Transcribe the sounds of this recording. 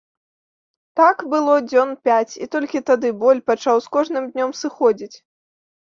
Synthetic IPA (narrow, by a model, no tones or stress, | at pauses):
t̪akbɨlˠɔd͡zʲɔnpʲat͡sʲit̪ɔlʲkʲit̪ad̪ɨbɔlʲpat͡ʂawskɔʐnɨmd̪ʲnʲɔmsɨxɔd͡zʲit͡sʲ